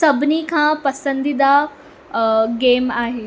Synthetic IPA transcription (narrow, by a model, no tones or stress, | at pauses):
sɐbʱɪnikʰãːpɐsə̃nd̪id̪a | ɡeːmaːɦeː